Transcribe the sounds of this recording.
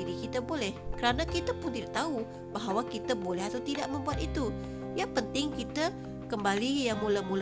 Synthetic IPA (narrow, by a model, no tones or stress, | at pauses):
iɾikit̪abolɛhkəɾanakit̪apʊnt̪idaʔt̪au | baɦawakit̪abolɛɦat̪awt̪idaʔməmbuat̪̚it̪u | jaŋpənt̪ɪŋkit̪a | kəmbalijaŋmulamul